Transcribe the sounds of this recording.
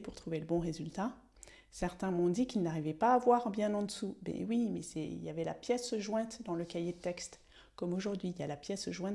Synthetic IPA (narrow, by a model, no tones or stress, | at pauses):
puʁt̪χuveləbɔ̃ʁezylt̪a | sɛʁt̪ɛ̃mɔ̃d̪ikilnaʁivɛpaːvwaʁbjɛ̃nɑ̃d̪əsubɛ̰wimɛ̰sɛḭljavɛla̰pjɛsʒwɛ̃t̪d̪ɑ̃ləkajet̪ɛkst̪ | kɔmoʒuʁd̪ɥiljalapjɛsʒwɛ̃